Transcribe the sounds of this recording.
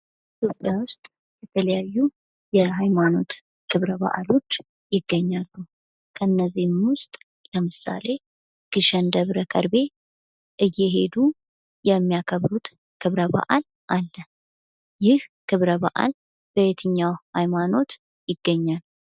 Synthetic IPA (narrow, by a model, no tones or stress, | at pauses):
it̪ʰjo̞pʼːjawʊst̪ʼ | jɛt̪ʰələjajːu | jɛɦajmano̞t̪ | kʰɨβɾəba̰ʔa̰lo̞t͡ʃː | jɪɡːəɲːalːu | kʰəɨnːəzːihmwʊst̪ʼ | ləmɨsa̰le̞ | ɡ̥ɨʃɛnd̪əβɾəkʰə̰ɾbe̞ | ʔɨjːɛɦe̞d̪u | jɛmːijakʰəβɾut̪ | kʰɨβɾəbə̰ʔal | ʔalːə | jɪhkʰɨβɾəβə̰ʔa̰l | b̥əjɛt̪ʰɨɲːawhajmano̞t̪ | jɪɡːəɲːal